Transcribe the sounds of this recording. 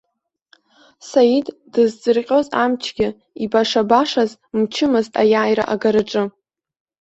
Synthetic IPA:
sajiddɨzd͡zɨrqʲʼozamt͡ʃʰɡʲɪ | ibaʂabaʂaz | mt͡ʃʰɪmɨztʼajaːjra̰ʔaɡaɾɨʈ͡ʂʼɨ

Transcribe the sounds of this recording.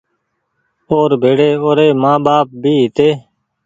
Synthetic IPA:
oːɾbʱeːɽeːoːɾeːmãːɓaːp̚bʱiːɦɪt̪eː

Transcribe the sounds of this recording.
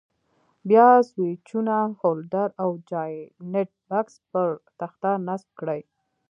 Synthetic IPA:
bjɑswet͡ʃunahold̪aɾawd͡ʒɑjneʈ̚bakspəɾt̪axt̪anasb̚kɽəj

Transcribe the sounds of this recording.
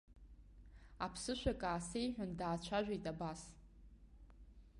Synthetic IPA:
apʰsɨʃʷᶣakʼaːsejħʷᶣʊndaːt͡ɕʷʰaʒᶣʷajtʼabas

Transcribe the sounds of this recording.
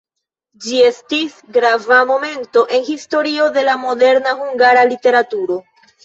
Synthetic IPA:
d͡ʒie̞stisɡɾavamo̞me̞nto̞ʔe̞nhisto̞ɾio̞de̞lamo̞de̞ɾnahuŋɡaɾalite̞ɾatuɾo̞

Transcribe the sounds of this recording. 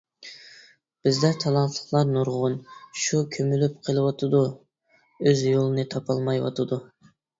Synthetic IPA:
b̥ɪzd̪ɛt̪ʰɑlˠɑnt̪ʰlˠə̥χlˠɑɾnuɾʁʊnʃukʲʰømylyp̚qʰəlˠɨwɑt̪ʰɨd̪u | øzjolˠɨnɨt̪ʰɑpʰɑlˠmɑjwɑ̰t̪ʰɨd̪u

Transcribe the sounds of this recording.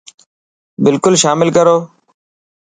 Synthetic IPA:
bɪlkʊlʃaːmɪlkəɾoː

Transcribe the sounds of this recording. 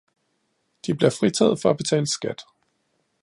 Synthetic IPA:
d̥ib̥le̝ɐfʁit͡sʰɛ̰ːð̩ˠfɒ̽æb̥e̝t͡sʰɛ̰ːləsɡ̥æd̥

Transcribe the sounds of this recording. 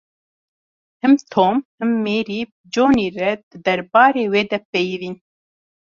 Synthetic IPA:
hɨmt̪ʰoːmhɨmːeːɾiːb | d͡ʒoːniːɾɛd̪ɨd̪ɛɾbɑːɾeːweːd̪ɛpejviːn

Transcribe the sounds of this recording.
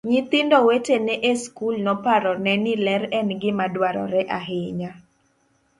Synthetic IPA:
ɲit̪ɪndɔwetenɛʔeskulnɔpaɾɔnɛnilɛɾɛnɡɪmadwaɾɔ̰ɾɛʔaɦɪɲa

